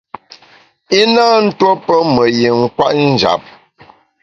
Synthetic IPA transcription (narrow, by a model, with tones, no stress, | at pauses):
i˦na˦n̩˦two˦pə˦mə˨je˨ŋ̩˦kwa˦ʔn̩˦d͡ʒa̰˨p̚